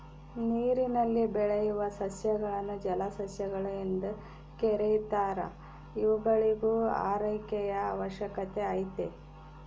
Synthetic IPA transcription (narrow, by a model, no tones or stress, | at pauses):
niːɾinɐlːibɛɭejuʋɐsɐsjɐɡɐɭɐnːud͡ʒɐlɐsɐsjɐɡɐɭuind̪u | kɛɾejt̪aːɾɐ̰ | iʋuɡɐɭiɡua̰ːɾɐjkɛjɐːʋɐʃjɐkɐt̪e̞aːjt̪e